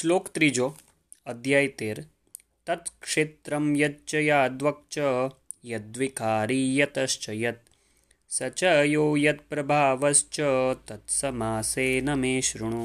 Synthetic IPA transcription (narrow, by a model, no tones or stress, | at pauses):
sloːkt̪ɾid͡ʒoː | ɐd̪ʱjaːjt̪eːɾ | t̪ɐt̪kʂet̪ɾɐmjɐt̚t͡ʃɐjaːd̪ʋɐk̚t͡ʃɐ | jɐd̪ʋikaːɾijɐt̪ɐst͡ʃɐjɐt̪̚ | sɐt͡ʃɐjoːjɐt̪̚pɾɐbʱaːʋɐst͡ʃɐt̪ɐt̪sɐmaːseːnɐmeːʃɾuɳ̃u